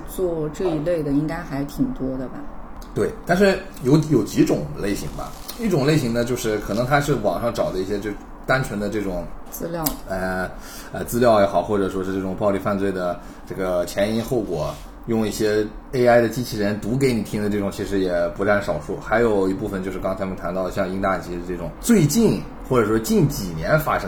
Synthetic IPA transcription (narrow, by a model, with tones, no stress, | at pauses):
t͡swɔ˥˧ʈ͡ʂɤ˥˩i˧˥le˥˩ɪd̪ə˩i˥ŋka˥ɪxa˧˥ɪt̪ʰi˨˩ŋt̪wɔ˥d̪ə˨bɐ˨˩ | t̪we˥˩ɪt̪a˥˧nʂ̬ɻ̩˥˩ | jo˧˥ʊjo˨˩ʊt͡ɕi˧˥ʈ͡ʂʊ˨˩˦ŋle˥˩ɪɕḭ˧˥ŋbɐ̰˧i˥˩ʈ͡ʂʊ˨˩ŋle˥˩ɪɕi˧˥ŋnə˧t͡ɕjo˥˧ʊʂɻ̩˥˩kʰɤ˨˩nɤ˧˥ŋt̪ʰa˥ʂɻ̩˥˩wɑ˨˩ŋʂɑ˥˩ŋʈ͡ʂɑ˨˩d̪ə˦i˥˩ɕjɛ˥ʈ͡ʂɤ˥˩ | t̪a˥nt͡ɕʰɥɛ˧˥nd̪ə˧ʈ͡ʂɤ˥˩ʈ͡ʂʊ˨˩ŋt͡sɹ̩˥ljɑ˥˩ʊɛ˥˧ | ɛ˥˧˩t͡sɹ̩˥ljɑ˥˩ʊjɛ˧˥xɑ˨˩ʊxwɔ˥˩ʈ͡ʂɤ˨˩ʂwɔ˥ʂɻ̩˥˧ʈ͡ʂɤ˥˩ʈ͡ʂʊ˨˩ŋpɑ˥˧ʊli˥˧fa˥˧nt͡swe˥˩ɪd̪ə˩ | ʈ͡ʂɤ˥˩ɡə˩t͡ɕʰjɛ˧˥ni˧˥nxo˥˩ʊkwɔ˨˩˦ | jʊ˥˧ŋi˥˩ɕjɛ˥ | e˥ɪa˥ɪd̪ə˨t͡ɕi˥t͡ɕʰi˧˥ɻə˧˥nt̪u˧˥k̬e˧˥ɪni˨˩t̪ʰi˥ŋd̪ə˧ʈ͡ʂɤ˥˩ʈ͡ʂʊ˨˩ŋt͡ɕʰi˧˥ʂɻ̩˧˥jɛ˨˩pu˧˥ʈ͡ʂa˥˩nʂɑ˨˩ʊʂu˥˩xa˧˥ɪjo˨˩ʊi˧˥pu˥˩fə˩nt͡ɕjo˥˧ʂɻ̩˥˧kɑ˥ŋt͡s̪ʰa˥mə˨nt̪ʰa˧˥nt̪ɑ˥˩lə˩ɕjɑ˥˧ŋi˥ŋt̪a˥˩t͡ɕi˧˥dʈ͡ʂɤ˥˩ʈ͡ʂʊ˨˩ŋt͡swe˥˧ɪt͡ɕi˥˩n | xwɔ˥˩ʈ͡ʂɤ˨˩ʂwɔ˥t͡ɕi˥˩nt͡ɕi˨˩njɛ˧˥nfa̰˥ʂɤ˥